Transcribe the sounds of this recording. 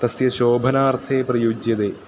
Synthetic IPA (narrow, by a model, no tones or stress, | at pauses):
t̪ɐsjɐʃoːbʱɐnaːɾt̪ʰeːpɾɐjuːd͡ʒjɐd̪eː